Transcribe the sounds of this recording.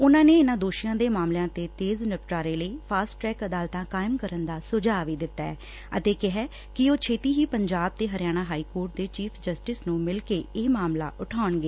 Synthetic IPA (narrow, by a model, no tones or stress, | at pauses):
ʊnãːneːɪnãːd̪oːʃijãːd̪eːmaːmljãːt̪eːt̪eːznɪp̚ʈaːɾeːləiːpʰaːsʈɾɛːkəd̪aːlt̪ãːkaːɪmkəɾənd̪aːsʊd͡ʒaːʋiːd̪ɪt̪ːaːɛː | ə̰t̪eːkɪɦɛː | kɪoːt͡ʃʰeːt̪iːɦiːpəɲd͡ʒaːb̚t̪eːɦəɾɪjaːɽ̃aːɦaːiːkoːɾʈ̚d̪eːt͡ʃiːpʰd͡ʒəsʈɪsnũːmɪlkeːeːmaːmla̰ːʔʊʈʰaːʊɳɡeː